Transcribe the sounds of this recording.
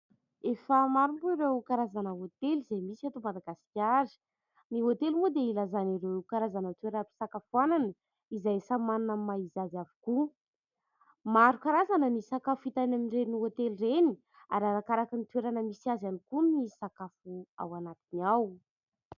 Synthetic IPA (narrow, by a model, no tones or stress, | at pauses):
efəmaɾumbuiɾewkaɾazanəot̪elizejmisiat̪omad̪aɡasi̥kʲaɾi̥ | niot̪elimbud̪eilazaniɾewkaɾazanət̪weɾpi̥sakafuananə | izajsamannamaizazavi̥ku | maɾukaɾazanənisakafuit̪anaminreniot̪elireni̥ | aɾaɾakaɾakinit̪ueɾanəmisiazanikunisakafua̰wanat̪inaw